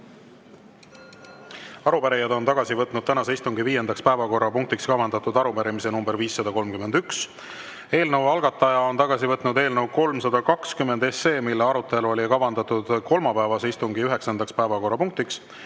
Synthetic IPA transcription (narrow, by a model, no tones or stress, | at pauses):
ɑɾupæɾijɑd̪o̞nt̪ɑɡ̥ɑsivɤt̪ˑnud̪̥̚t̪ænɑseist̪uŋɡiviːje̞nd̪ɑkspæe̞vɑko̞rːɑpuŋk̚t̪ikskɑvɑnd̪ɑt̪ːˑud̪ɑɾupæɾimise̞numbeɾviːsːɑd̪̥ɑko̞lmkyme̞nd̪yks | e̞ːlnɤwɑlɡ̥ɑt̪ːˑɑjɑo̞nt̪ɑɡ̥ɑsivɤt̪ːˑnud̪e̞ːlnəwko̞lmsɑd̪ɑkɑkskymːe̞nd̪̥e̞sːe̞ːmilːeɑɾut̪ːˑe̞luo̞lʲikɑvɑnd̪ɑt̪ud̪̥ko̞lmɑpæːvɑseist̪uŋɡiyɦe̞ksɑnd̪̥ɑkspæevɑko̞rːɑpuŋk̚t̪iks